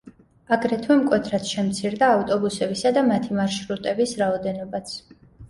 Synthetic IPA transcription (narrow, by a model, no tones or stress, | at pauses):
aɡɾɛt̪ʰwɛmkʼwɛt̪ʰɾat̪ʃɛmt̪sʰiɾd̪aːft̪ʼɔbusɛbisad̪amat̪ʰimaɾʃɾut̪ʼɛbisɾaɔd̪ɛnɔbat̪sʰ